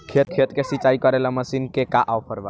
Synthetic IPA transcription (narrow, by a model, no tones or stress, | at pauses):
kʰet̪̚kʰet̪kesit͡ʃaikɔɾelaməsinkekaʔawpʰəɾʋa̰